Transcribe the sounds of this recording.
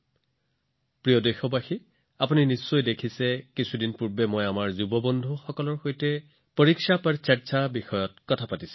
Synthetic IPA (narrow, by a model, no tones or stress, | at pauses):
pɹijɔdejxɔbaxi | apuninisːojdekʰisɛkisʰudinpuɹbɛmɔjamaɹzubɔbɔndʱuxɔkɔlɔɹxojtɛ | poɹiksapaɹsaɹsabixɔjɔtkɔtʰapatisɛ̥